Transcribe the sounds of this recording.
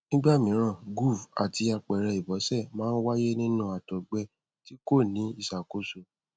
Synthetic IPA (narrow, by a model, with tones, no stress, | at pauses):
nĩ˦ɡ͡ba˦˨mĩ˨˦ɾ̃ã˦˨ɡu˦˨va̰˨ti˧a˧k͡pɛ˨ɾɛ˧i˨bɔ˨˦sɛ˦˨mãː˦n̩˦wa˦je˦nĩ˦nũ˦a˨tɔ˨ɡ͡bɛ˧˦ | ti˦ko˦˨nĩ˨˦i˦˨sa˨ko˦so˨